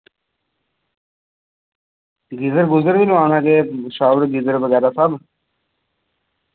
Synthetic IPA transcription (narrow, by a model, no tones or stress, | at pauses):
ɡɪzəɾɡʊzəɾʋilãːnãːkeʃaːʋɾɡizəɾbəɡɛːɾasɐb